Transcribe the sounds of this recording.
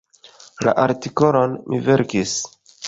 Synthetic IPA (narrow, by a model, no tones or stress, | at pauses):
la̰ʔaɾtiko̞lo̞nmʔive̞ɾkis